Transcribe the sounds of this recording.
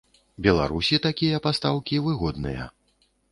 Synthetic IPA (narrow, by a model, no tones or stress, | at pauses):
bʲɛlˠa̰ɾusʲit̪akʲijɐpast̪awkʲivɨɣɔd̪nɨ̰jɐ̰